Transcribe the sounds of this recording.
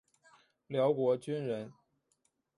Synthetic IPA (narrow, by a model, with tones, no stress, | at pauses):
ljɑ˧˥ʊkwɔ˧˥t͡ɕy˥nɻə˧˥n